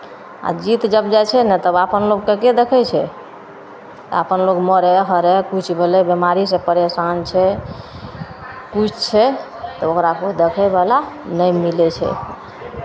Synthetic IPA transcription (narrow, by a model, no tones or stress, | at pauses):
a̰d͡ʒit̪d͡ʒəbd͡ʒat͡ʃʰɛnɛt̪əbapənloɡkeked̪ekʰɛt͡ʃʰɛ | t̪ɔ̰apənloɡməɾɛɦəɾɛkut͡ʃʰbʱelɛbemaɾisẽpəɾesant͡ʃʰɛ | kut͡ʃʰt͡ʃʰɛ | t̪ɔokɾakod̪ekʰɛbalanəjmilɛt͡ʃʰɛ̰